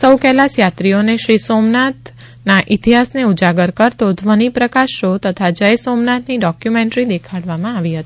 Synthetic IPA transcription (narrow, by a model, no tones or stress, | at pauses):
səwkɛlasjat̪ɾioneʃɾisomnat̪ | naʔɪt̪iɦasneud͡ʒaɡəɾkəɾt̪od̪ʱʋənipɾəkaʃot̪ət̪ʰad͡ʒəjsomnat̪niɖɔkjumẽɳʈɾid̪ekʰaɽʋamãaʋiɦət̪i